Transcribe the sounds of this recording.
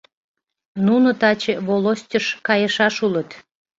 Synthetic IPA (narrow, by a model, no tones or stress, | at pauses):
nunot̪ɑt͡ɕeβolosʲtʲəʃkɑjəʃɑʃulət̪